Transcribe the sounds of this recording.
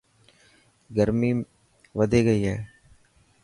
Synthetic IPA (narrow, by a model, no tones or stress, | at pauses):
ɡəɾmiː | ʋəd̪ʱeːɡəiːɦɛː